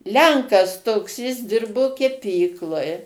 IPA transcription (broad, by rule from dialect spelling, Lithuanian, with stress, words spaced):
ˈlʲɛŋkɐs toːks jɪs ˈdʲɪrboː kʲɛˈpʲiːklˠoːj